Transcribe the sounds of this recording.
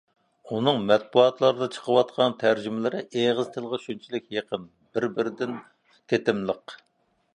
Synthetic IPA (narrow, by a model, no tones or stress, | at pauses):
unɨŋmɛt̪̚buɑt̪lˠɑɾɨd̪ɑt͡ʃʰə̥qʰəwɑt̪̚qʰɑnt̪ʰæɾd͡ʒymɪlɪɾɪʔeʁəzt̪ʰəlˠʁəʃynt͡ʃʰilɪk̚ʲjeqʰəm | bɪɾbɪɾɪd̪ɪn | t̪ʰet̪ɪmlˠəq